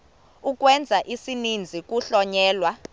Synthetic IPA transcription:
uk̬ʼwɛnd͡zʱaʔisinind͡zʱik̬ʼuɬɔɲɛːlwa

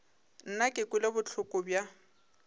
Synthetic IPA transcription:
n̩nakʼɪkʼʊlɪbʊt͡ɬʰʊkʼʊbja

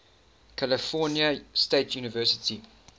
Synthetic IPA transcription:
kʰaləfɔːnjəsteɪtʰjuːnəvɜːˑsɪ̥tʰi

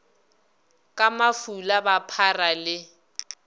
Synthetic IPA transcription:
kʼamafulabapʰaralɪ

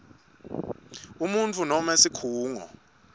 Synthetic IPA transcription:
umunt͡fʰunɔmesikʰuːŋɔ̰

